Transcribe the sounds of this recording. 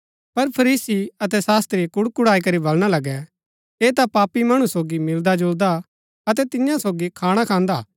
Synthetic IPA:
pɐɾpʰɐɾiːsiɐt̪ɛsaːst̪ɾiekʊɽkʊɽaːik̬ɐɾibɐlɽ̃alɐɡɛ | eːt̪apaːpːimɐɽ̃ũsoːɡimɪld̪ad͡ʒoːɾd̪a | ɐt̪ɛt̪ɪjãsoːɡikʰaːɽ̃akʰãːnd̪aː

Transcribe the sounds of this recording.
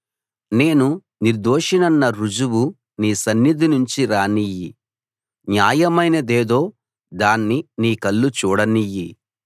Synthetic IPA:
ne̞ːnu | niɾd̪oːʂinɐnːɐɾud͡ʒuwu | niːsɐnːid̪inuɲt͡ʃiɾaːniji | njaːjɐmɐjnɐd̪eːd̪o̞ː | d̪aːnːiniːkɐlːut͡ʃuːɽɐniji

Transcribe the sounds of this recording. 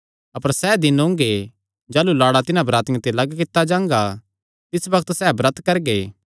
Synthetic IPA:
ɐpəɾsɛːd̪ɪnõːŋɡe | d͡ʒaːlulaːɽat̪ɪnãbɾaːt̪ɪ̃t̪elɐɡkɪt̪ːad͡ʒãːŋɡa | t̪ɪsbɐkʰət̪sɛːbɾɐt̪kɐɾɡeː

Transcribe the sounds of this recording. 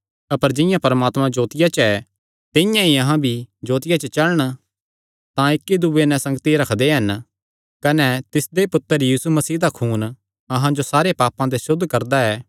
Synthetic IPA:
ɐpəɾd͡ʒɪ̃jãpɐɾmaːt̪mãd͡ʒoːt̪ɪjat͡ʃɛ | t̪ɪ̃jãiɐɦãbʱid͡ʒoːt̪ɪjat͡ʃət͡ʃɐləɽ̃ | t̪ãɪkːid̪ubenɛ̃sɐ̃ŋɡt̪iɾɐkʰd̪eɦɐn | kɐnɛt̪ɪsd̪epʊt̪ːəɾjiːsumɐsiːd̪akʰuːn | ɐɦãd͡ʒosaːɾepaːpãd̪esʊd̪ʱːkɐɾd̪aɛː

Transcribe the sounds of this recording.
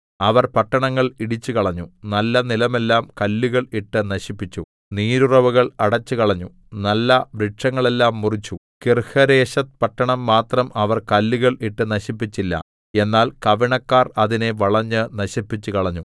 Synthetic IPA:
ɐʋɐrpɐʈːɐɳɐŋːɐɭiɽit͡ɕːukɐɭɐɲːunɐlːɐnilɐme̞lːaːmkɐlːiɣɐɭiʈːɨnɐɕipːit͡ɕːu | niːɾurɐʋuɣɐɭɐɽɐt͡ɕːɨkɐɭɐɲːu | nɐlːɐʋɾiʈʂɐŋːɐɭe̞lːaːmːurit͡ɕːu | kirhɐɾe̞ːɕɐt̪̚pɐʈːɐɳɐmːaːt̪rɐmɐʋɐrkɐlːiɣɐɭiʈːɨnɐɕipːit͡ɕːilːɐ̰ | e̞nːaːlkɐʋiɳɐkːaːrɐðineʋɐɭɐɲːɨnɐɕipːit͡ɕːukɐɭɐɲːu

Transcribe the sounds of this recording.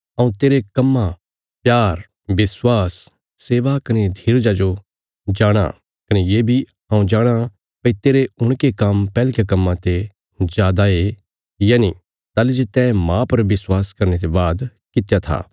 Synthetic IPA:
ɐũt̪eːɾekɐmːa | pjaːɾ | bɪswaːsː | eːʋakɐned̪ʱiːɾd͡ʒad͡ʒo | d͡ʒaːɽ̃a̰ | kɐnejeːbʱi | ɦãũd͡ʒaːɽ̃a | pɐit̪eːɾeʊɽ̃kekɐmpɛːlkjekɐmːãt̪e | zjaːd̪ae | jaːni | t̪aːlid͡ʒet̪ɛːmãpɐɾʋɪswaːskɐɾnet̪ebaːd̪ | kɪt̪jat̪ʰa̰ː

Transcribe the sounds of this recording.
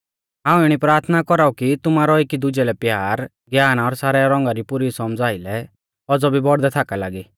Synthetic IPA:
aːũɪɽ̃ipɾaːɾt̪ʰnakɔɾaːukit̪ʊmaːɾɔekid̪ʊd͡ʒɛlɛpjaːɾ | ɡjaːnaɔɾsaːɾɛɾɔ̃ŋɡaɾipʊɾisɔmd͡zaːɪlɛ | ɔd͡zɔbʱibɔɽd̪ɛt̪ʰaːkalaːɡiː

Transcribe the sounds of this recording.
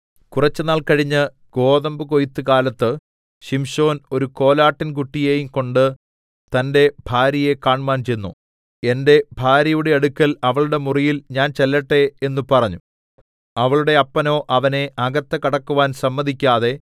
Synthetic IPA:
kurɐt͡ɕːɨnaːɭkɐɻiɲːɨ | ɡ̥o̞ːðɐmbɨko̞jit̪ːɨkaːlɐt̪ːɨ | ɕimɕo̞ːno̞ɾuko̞ːlaːʈːink̬uʈːije̞ːjumko̞ɳɖɨ | t̪ɐnde̞bʱaːɾjɐje̞kaːɳmaːnt͡ɕe̞jnːṵ | e̞nde̞bʱaːɾɐjuɽeɐɽukʲːɐlɐʋɐɭuɽe̞murijilɲaːnt͡ɕelːɐʈːe̞ːnːupɐrɐɲːu | ɐʋɐɭuɽe̞ɐpːɐno̞ːʔɐʋɐne̞ʔɐɡɐt̪ːɐkɐɽɐkːuʋaːnsɐmːɐðʱikʲːaːðe̞

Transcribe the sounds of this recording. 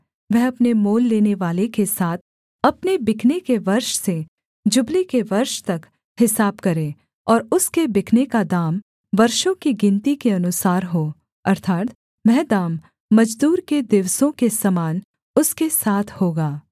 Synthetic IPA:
ʋɛɦɐpnemoːlːeːneʋaːlekesaːt̪ʰ | ɐpnebɪkʰnekeʋɐɾʃse | d͡ʒʊblikeʋɐɾʃt̪ɐk | hɪsaːb̚kɐɾẽː | ɔːɾʊskebɪkʰnekad̪aːm | ʋɐɾʃõkiɡɪ̃nt̪ikeɐnʊsaːɾɦoː | ɐɾt̪ʰaːt̪ | ʋɛɦd̪aːmː | ɐd͡ʒd̪uːɾked̪ɪʋsõkesɐmaːn | ʊskesaːt̪ʰhoːɡaː

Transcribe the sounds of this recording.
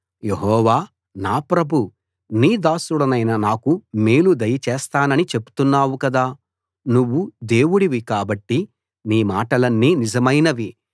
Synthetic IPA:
je̞ɦɔːʋaː | naːpɾɐbʱu | niːd̪aːsuɽɐnɐjnɐnaːkumeːlud̪ɐjɐt͡ʃɛːst̪aːnɐnit͡ʃe̞pu̥t̪unːaːwukɐd̪aː | nuʋːud̪eːwuɽiʋikaːbɐʈːi | niːmaːʈɐlɐnːiːnizɐmɐjnɐʋi

